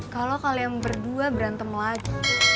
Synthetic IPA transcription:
kalokalijaŋbərduabəɾant̪əmlaɡi

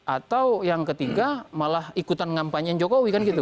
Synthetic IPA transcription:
ʔat̪awjaŋkət̪iɡamalahikut̪anŋampaɲŋd͡ʒokowikanɡit̪u

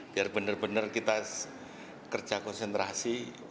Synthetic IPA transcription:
b̥iarb̥ənərbənərkit̪a | kər̥d͡ʒ̥ʒ̥akɔnsent̪ɾasi

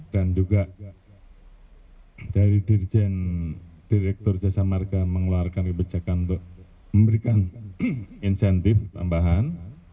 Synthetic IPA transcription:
d̥and͡ʒuɡaʔ | d̥aɾidird͡ʒɛnd̥iɾɛk̚t̪ʊrd͡ʒasamarɡaməŋluarkankəbəd͡ʒakanunt̪ʊk̚ | məmbəɾikan | insɛnt̪ɪft̪a̰mbaɦan

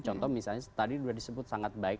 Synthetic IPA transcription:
t͡ʃɔnt̪ɔhmisalɲat̪adiduadisəbʊt̪̚saŋat̪̚baɪk̚

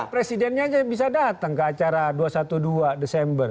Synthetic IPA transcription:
pɾesidɛnɲad͡ʒabis̬adat̪aŋkəat͡ʃaɾaduasat̪uduadesɛmbər

